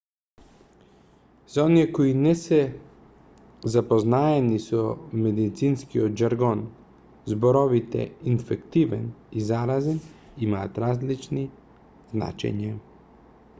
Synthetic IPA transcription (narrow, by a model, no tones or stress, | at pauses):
z̥aoniekoinese | zapoznaːjenisumed̪it̪sinskiod͡ʒaɾɡon | zboɾoʋit̪ḛinfekt̪iʋḛnizaɾazen | imat̪ɾaːzlit͡ʃni | zna̰t͡ʃḛɲa